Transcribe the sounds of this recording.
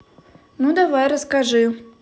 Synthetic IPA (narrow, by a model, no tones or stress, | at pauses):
nud̪avajɾəskaʐɨ